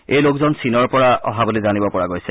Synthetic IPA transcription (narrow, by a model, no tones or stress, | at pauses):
ejlokzɔnsinɔɹpɔɹaɔ̰ɦabolizanibɔpɔɹaɡojsɛ